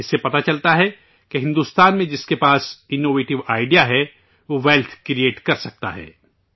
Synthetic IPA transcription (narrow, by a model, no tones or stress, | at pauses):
ɪsːepɐt̪at͡ʃɐlt̪aɦɛ | keɦɪ̃nd̪uːst̪aːnmẽd͡ʒɪskepaːsɪnːoːʋeːʈɪʋaːɪɖijaɦɛ | ʋoʋɛːlt̪ʰkɾieːʈkɐɾsɐk̚t̪a̰ɦɛ̰ː